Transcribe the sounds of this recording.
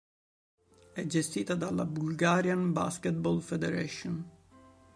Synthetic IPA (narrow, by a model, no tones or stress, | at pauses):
ɛd͡ʑɛst̪it̪ad̪alabulɡaɾjanba̰skɛt̪̚bɔlfɛd̪ɛɾaʃɔn